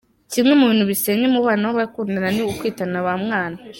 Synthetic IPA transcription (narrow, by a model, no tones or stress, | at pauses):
cimŋe̞muβiːnhuβiseŋɡemuβanahoβaikuːndananiukwiːtanaβamŋaːna